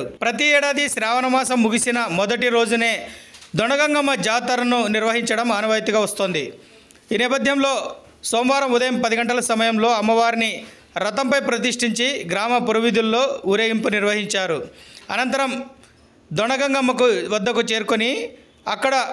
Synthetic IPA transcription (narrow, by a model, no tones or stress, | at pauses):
pɾɐt̪̬iɛːɽaːd̪iʃɾaːʋɐnɐmaːsɐmːuɡisinɐmɔd̪ɐʈiɾo̞ːd͡ʒune̞ːd̪ɔɳɐɡɐŋɡɐmːɐd͡ʒaːt̪ɐlɐnuniɾʋɐɦiɲt͡ʃɐɽɐmaːnɐʋɐjt̪iuɡaːʋɐst̪oːnd̪i | iːnɛːpɐd̪ʱjɐmlo̞ː | soːmʋaːɾɐmud̪ɐjɐmpɐd̪iɡɐɳʈɐlɐsɐmɐjɐmlo̞ːɐmːɐʋaːɾini | ɾɐt̪ɐmpɐjpɾɐt̪̬iʂʈiɲt͡ʃiɡɾaːmɐpuɾuʋid̪ulːo̞ːuɾeːjimpuniɾʋɐɦiɲt͡ʃaːɾuɐ̰nɐnt̪ɐɾɐm | d̪ɔɳɐɡɐŋɡɐmːɐk̬uʋɐd̪ːɐkut͡ʃeːɾkoni | ɐkːɐɽɐ